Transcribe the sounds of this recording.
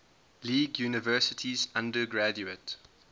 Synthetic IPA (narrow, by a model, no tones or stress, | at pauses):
liːɡjuːnɪvɜːˑsɪtʰizãndəɡɹad͡ʒuət